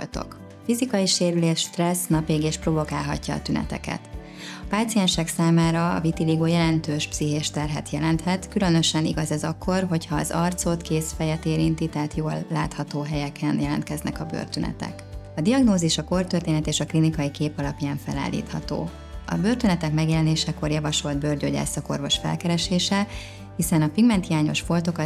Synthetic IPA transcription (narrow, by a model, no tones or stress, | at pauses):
o̰lt̪o̰k | fizikɒjiʃeːɾyleːʃt̪rɛsnɒpeːɡeːʃpro̞vo̞kaːlɦɒ̰cːɒ̰ːt̪ynɛ̰t̪ɛ̰kɛ̰t̪ | ɒpaːt̪sijɛnʃɛksaːmaːɾɒ̰ːvit̪iliɡoːjɛlɛnt̪øːʃpsiɦeːʃt̪ɛrɦɛ̰t̪jɛlɛnt̪hɛt̪kylø̞nø̞ʃɛniɡɒzɛzɒkʰːo̞rɦo̞chɒːzɒrt̪so̞t̪keːsfɛjɛt̪eːɾint̪it̪ɛɦat̪joːlːaːt̪hɒt̪oːɦɛjɛkʰɛnjɛlɛ̰nt̪kɛznʔɛ̰kɒbø̰rt̪ønɛ̰t̪ɛ̰kɒd̪iɒɡnoːziʃɒko̞rt̪ørt̪eːnɛt̪eːʃɒklinikɒjikeːpɒlɒpjaːɱfɛ̰la̰ːlːḭːt̪hɒt̪o̰ː | ɒ̰børt̪ønɛt̪ɛkmɛɡjɛlɛneːʃɛko̞rjɒvɒʃo̞ld̪̚børɟøɟɛ̰ːsɒko̞̰rvo̞ʃfɛ̰lkɛɾɛʃeːʃɛ | hisɛnɒpiɡmɛnt̪hijaːɲo̞ʃfo̞lt̪o̞kɒ